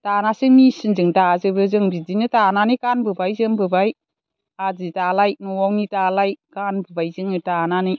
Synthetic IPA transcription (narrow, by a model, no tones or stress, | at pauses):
tanasɯŋnisɯŋzɯŋtazɯbɯzɯŋbidinɯtananɯjkanbɯbajzɯŋbɯbaj | azitalaj̚nɔwawnitalajkanbɯbajzɯŋɯtananɯj